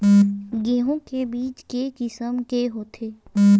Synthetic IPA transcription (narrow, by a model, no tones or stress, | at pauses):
ɡeːɦõkebiːt͡ʃkekɪsəmkeɦoːt̪ʰeː